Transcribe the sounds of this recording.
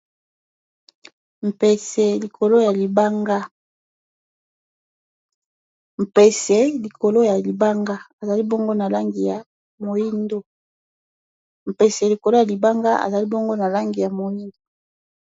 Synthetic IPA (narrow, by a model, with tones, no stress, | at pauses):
m̩˨pe˨se˨li˨kʰo˨lo˦ja˨li˨ba˦ŋɡa˦ | m̩˨pe˨se˦li˨ko˨lo˦ja˨li˨ba˦ŋɡa˦a˨za˨li˦bo˦ŋɡo˦na˨la˦ŋɡi˨ja˨ | mo˨ji˦ndo˦ | m̩˨pe˨se˨li˨ko˨lo˦ja˨li˨ba˦ŋɡa˦a̰˨za˨li˦bo˦ŋɡo˦na˨la˦ŋɡi˨ja˨mo˨ji˦no˨